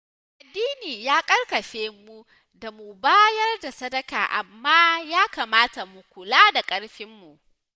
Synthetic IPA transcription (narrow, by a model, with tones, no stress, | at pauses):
ʔa˨dːiː˦niː˨jaː˦kʼɐ˦rkɐ˨ɸeː˦mu˦ | da˨mu˨baː˦jɐ˦rda˨sɐ˦dɐ˦ka̰ː˨ʔa̰˨mːaː˦jaː˦kaː˨maː˦ta˨mu˨kʷʊ˨laː˦da˨kʼɐ˦ɽɸɪ˦mːu˨ʔ